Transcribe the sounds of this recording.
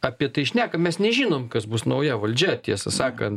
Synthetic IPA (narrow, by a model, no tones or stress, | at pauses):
ɐpʲiɛt̪ɐɪʃʲnʲæːkɐmʲɛsnʲɛʒʲiːnoːmkɐsbʊsnɐʊjɛʋɐlʲd͡ʒʲɛt̪ʲiɛsɐsɑːkɐnt̪